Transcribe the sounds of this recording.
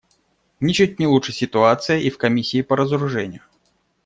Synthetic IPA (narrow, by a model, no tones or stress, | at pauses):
nʲit͡ɕut̚ʲnʲɪlˠuʂɨsʲɪt̪ʊat̪sɨjəʔifkɐmʲisʲːiːpɐɾəzəɾʊʐɛnʲɪjʊ